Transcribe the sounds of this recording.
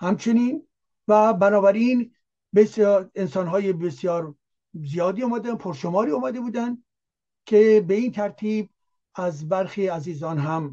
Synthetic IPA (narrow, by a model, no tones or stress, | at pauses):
hæmt͡ʃʰe̞niːn | væbænɒːbæɾiːn | besensɒːnɦɒːjebesjɒːɾ | zijɒːd̪iːoːmæd̪ænpʰoɾʃomɒːɾiːoːmæd̪e̞buːd̪ænd̪ | kʰebe̞iːnt̪ʰæɾt̪ʰiːb̚ | æzbæɾxiːæziːzɒːnɦæm